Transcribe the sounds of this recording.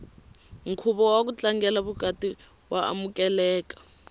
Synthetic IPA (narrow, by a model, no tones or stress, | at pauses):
ŋ̩kʰuɓɔwak̬ut͡ɬaŋɡɛlaβukatʼi | waa̰mukɛlɛːk̬ḁ